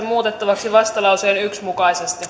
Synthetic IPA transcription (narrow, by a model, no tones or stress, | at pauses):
muːt̪et̪ːɑʋɑksiʋɑst̪ɑlɑuseːnyksmukɑisest̪i